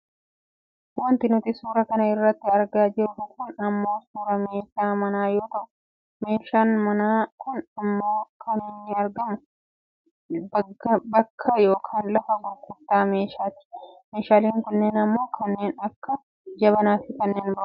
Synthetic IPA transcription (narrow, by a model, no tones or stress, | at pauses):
wɐnt̪ɪnʊt̪ɪsuːɾɐkɐnɐɪrːɐt̪ːɪɐɾɡaːd͡ʒɪɾʊfʊkʊnɐmːo̞ːsuːɾɐme̞ːʃaːmɐnaːjo̞ːt̪ɐʔʊ | me̞ːʃaːnmɐnaːkʊnɐmːo̞ːkʰɐneːnːɪɐɾɡɐmʊ | bɐbɐkʰːɐjo̞ːkʰaːnlɐfɐɡʊkʊt̪ːaːme̞ːʃaːt̪ɪ̥meːʃaːliːŋkʊnːeːnɐmːo̞ːkʰɐnːe̞ːnɐkːɐ | d͡ʒɐβɐnaːfɪkɐnːeːnbɐʔʊ